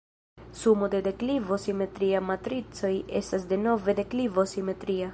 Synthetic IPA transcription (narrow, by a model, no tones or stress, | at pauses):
sumode̞de̞klivo̞sime̞t̪ɾiamat̪ɾit͡so̞je̞stas̬de̞no̞ve̞de̞klivo̞sime̞t̪ɾia